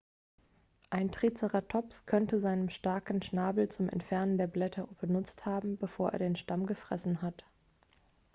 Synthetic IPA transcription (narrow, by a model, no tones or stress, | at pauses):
ʔaɪntʁ̥it͡səʁɐtʰɔpskʰœntəzaɪnəmʃtaɐkn̩ʃnaːbl̩t͡sʊmɛ̰ntfɛɐnəndeːɐblɛtʰɐbənʊt͡sthaːbm̩bəfoːɐʔḛɐdeːnʃtamɡəfʁ̥ɛ̰sn̩ɦat